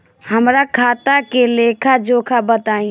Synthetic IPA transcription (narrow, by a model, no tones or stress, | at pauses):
həmɾakʰaːt̪akeleːkʰad͡ʒoːkʰabət̪aːĩ